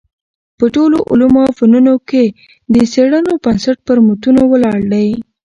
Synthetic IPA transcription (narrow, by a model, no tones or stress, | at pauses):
pəʈoloʔʊ̰lumofanunoke | d̪əseɽənobansaʈ̚pəɾmʊt̪unowəlɑɽd̪əj